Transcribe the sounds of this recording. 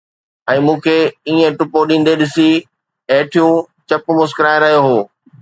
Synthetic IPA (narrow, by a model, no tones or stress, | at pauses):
ɛ̃ːmũːkʰeiːẽʈʊpoɗĩːn̆d̪eɗɪsi | ɐːʈʰijũ | t͡ɕɐpʊmʊskɪɾaːɪɾɐɦijoɦoː